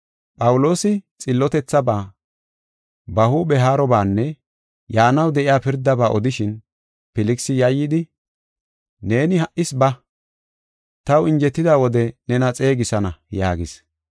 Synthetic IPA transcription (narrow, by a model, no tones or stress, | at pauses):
pʼɐwʊlo̞ːsɪt͡sʼɪlːɔt̪ɛt͡sːɐbaː | bɐhuːbɛɦaːɾɔbaːnːɛ | jaːnɐwd̪ɛʔɪjaːpɪɾd̪ːɐbaːʔɔd̪ɪʃɪn | pɪlɪksɪjɐjːɪd̪ɪ | ne̞ːnɪhɐʔɪsbɐ | t̪ɐwɪnd͡ʒɛt̪ːɪd̪aːwɔd̪ɛnɛnɐt͡sʼe̞ːɡɪsɐnɐja̰ːɡɪs